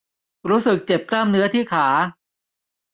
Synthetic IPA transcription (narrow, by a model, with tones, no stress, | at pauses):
ɾuː˦˥sɯ˨˩k̚t͡ɕe˨˩p̚klaː˥˩mnɯ˦˥ɐt̪ʰiː˥˩kʰaː˩˦